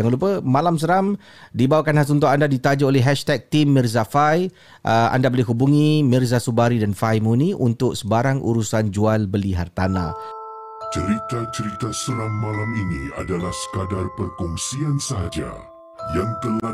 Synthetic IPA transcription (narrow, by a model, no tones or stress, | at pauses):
aŋlup̬əmalams̬əɾam | dibawakanhɦas̬unt̪̬oandadit̪ad͡ʒaolɛɦɛʃt̪ɛk̚t̪imːirzafaj | ʔəa̰ndabolɪɦubuŋĩmirzasubaɾidanfajmuniʔunt̪ʊksəbaɾaŋʔṵɾusand͡ʒualbəliɦart̪ana̰ | t͡ʃəɾit̪at͡ʃəɾit̪asəɾamːãlaminia̰dalahsə̥kadarpərkɔŋsiansəɦa̰d͡ʒa̰ | jaŋt̪əla